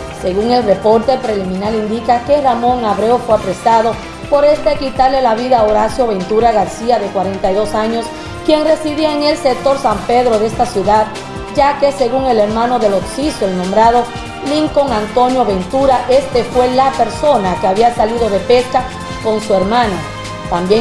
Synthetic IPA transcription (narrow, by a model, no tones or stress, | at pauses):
se̞ɣuŋe̞lre̞po̞ɾt̪e̞pɾe̞limĩnalind̪ikake̞ramo̞ŋaβɾeofweapɾe̞saðo̞ | po̞ɾe̞st̪ekit̪aɾlelaβiðaoɾasjo̞βe̞nt̪uɾaɣaɾsiaðe̞kwaɾe̞nt̪ajðo̞saɲo̞s | kje̞nre̞siβiaeŋe̞lsek̚t̪o̞ɾsampe̞ðɾoðeest̪asjuðað | d͡ʒake̞seɣuŋe̞le̞ɾmãno̞ðe̞loksisoelnõmbɾað̞o̞ | liŋko̞ŋant̪o̞njo̞βe̞nt̪uɾaʔe̞st̪efwe̞lape̞ɾso̞nakeaβiasaliðo̞ðe̞pe̞ska | ko̞nsue̞ɾmãna | t̪ambje